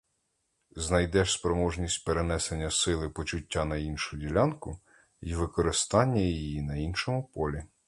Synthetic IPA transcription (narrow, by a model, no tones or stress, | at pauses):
znɐjd̪ɛʃspɾɔmɔʒnʲisʲtʲpeɾenɛsenʲːɐsɪlˠɪpɔt͡ʃʊtʲːanɐjinʃʊdʲilʲankʊ | iʋɪkɔɾɪst̪ɑnʲːɐjijijinɐinʃɔmʊpɔlʲi